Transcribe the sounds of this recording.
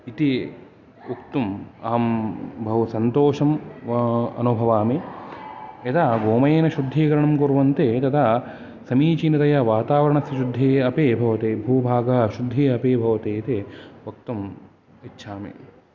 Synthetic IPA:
it̪i | ukt̪umaːmbʱɐʋusɐnt̪oːʃɐm | ɐ̰nubʱɐʋaːme | et̪ʰaɡoːmɐjeːnɐʃud̪ʱːiːkɐɾɐɳɐmkuɾʋɐnt̪et̪ɐt̪ʰa | sɐmiːt͡ʃinit̪ɐjɐʋaːt̪aːʋɐɾɐɳɐsjɐʃud̪ʱːeːɐpeːbʱɐʋɐt̪eːbʱuːbʱaːɡɐɦɐʃud̪ʱːeːɐpeːbʱɐʋɐt̪eːit̪eʋɐk̚t̪um | itːʃʰaːmḛ

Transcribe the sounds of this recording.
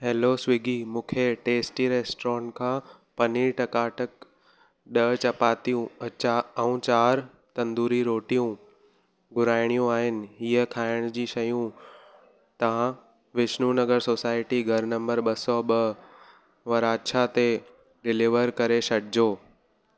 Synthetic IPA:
ɦeːlosʋɪɡimũːkʰeʈeːsʈiɾeːsʈɾɔ̃ːnkʰãː | pɐniʈɐkaːʈək̚ | ɗɐt͡ɕɐpaːt̪ijũ | ɐũt͡ɕaːɾ | t̪ɐ̃nd̪uːɾiɾoːʈijũ | ɡʊɾaːɪɽ̃ijũaːɦɪnɪ̆ɦiəkʰaːɪɽ̃d͡ʑiːʃɐjũ | t̪ɐʋã | ʋɪʃnunɐɡəɾsoːsaːɪʈiɡʱɐɾnɐ̃mbəɾɓɐsɔɓɐ | ʋɐɾaːʃʰat̪e | ɖɪliʋəɾkɐɾeʃɐɽɪd͡ʑoː

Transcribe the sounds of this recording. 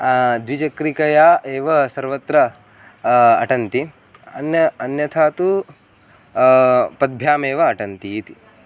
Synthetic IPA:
d̪ʋid͡ʒɐkɾikɐjaːʔeːʋɐsɐɾʋɐt̪ɾɐ | ʈɐnt̪i | ɐnjɐɐnjɐt̪ʰaːt̪u | pɐd̪̚bʱjaːmeːʋɐːʈɐnt̪iːt̪i

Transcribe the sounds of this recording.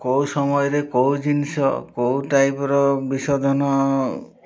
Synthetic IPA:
kowsɔmɔjɔɾekowd͡ʒinisɔ̰kowʈajpɔɾɔbisɔd̪ʱɔnɔ

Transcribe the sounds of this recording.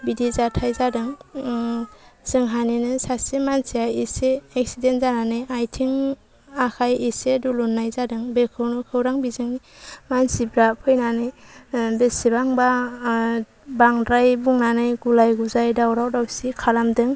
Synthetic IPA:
bidizatʰajzadɯŋ | z̥ɯŋɦaninɯsasimansiajiseeksidenzananɯjajtʰiŋ | akʰajisedulunːajzadɯŋbekʰɯwnɯkʰɯwɾaŋbizɯŋni | mansibɾapʰɯjnanɯjbesibaŋba | baŋdɾajbuŋnanɯjɡulajɡuzajdawɾawdawsikʰalamdɯŋ

